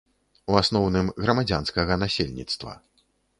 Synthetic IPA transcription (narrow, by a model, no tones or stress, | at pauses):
uasnɔwnɨmɣɾɐmad͡zʲanskɐɣɐnasʲelʲnʲḭt̪st̪vɐ̰